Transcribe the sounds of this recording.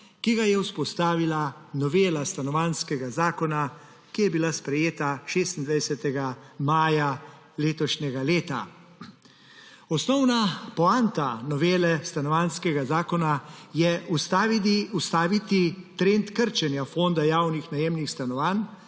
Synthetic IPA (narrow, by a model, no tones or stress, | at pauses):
kiɡajɛwspɔst̪aːʋilanɔʋeːlast̪anɔʋanskɛɡazaːkɔna | kijɛbilaspɾɛjeːt̪aʃeːst̪ind̪ʋajsɛt̪ɛɡamaːja | leːt̪ɔʃɲʲɛɡaleːt̪a̰ | ɔsnɔwnapɔant̪anɔʋeːlɛst̪anɔʋanskɛɡazaːkɔnajɛust̪aiust̪aʋit̪it̪ɾent̪kəɾt͡ʃɛnjafond̪ajaːwnixnajeːmnixst̪anɔʋan